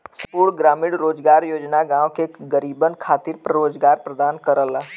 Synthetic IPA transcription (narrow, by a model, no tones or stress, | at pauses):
skuːɽɡɾaːmɪɽɾoːd͡ʒɡaːɾjoːd͡ʒnaɡãːõkeɡəɾiːbənkʰaːt̪ɪɾpɾəɾoːd͡ʒɡaːɾpɾəd̪aːnkəɾəla